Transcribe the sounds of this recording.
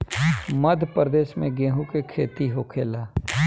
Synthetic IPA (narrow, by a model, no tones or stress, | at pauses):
məd̪ʱpəɾd̪eːʃmẽɡẽːɦũkekʰḛːt̪iɦoːkʰeːlaː